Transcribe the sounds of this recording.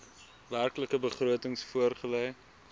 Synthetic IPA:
værkləkəbəχruətəŋsfuərχəlɛj

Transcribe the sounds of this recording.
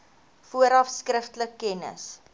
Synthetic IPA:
fuəɾɐfskrəftələkːɛnə̰s

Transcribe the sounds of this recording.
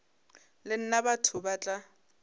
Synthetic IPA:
lɪn̩nabatʰʊbat͡ɬʼa

